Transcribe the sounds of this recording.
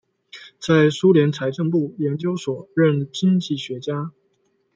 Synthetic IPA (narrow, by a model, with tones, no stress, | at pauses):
t͡sa˥˩ɪsu˥ljɛ˧˥nt͡sʰa˧˥ɪʈ͡ʂə˥˧ŋpu˥˩jɛ˧˥nt͡ɕjo˥ʊswɔ˨˩ɻə˥˩nt͡ɕi˥ŋt͡ɕi˥˩ɕɥɛ˧˥t͡ɕja˥